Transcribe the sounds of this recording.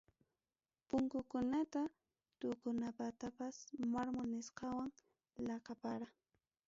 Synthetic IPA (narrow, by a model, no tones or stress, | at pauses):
pʊŋkʊkʊnat̪a | t̪ʊkʊnapat̪apasmaɾmʊnɪsqɑwaŋ | lɑqɑpaɾa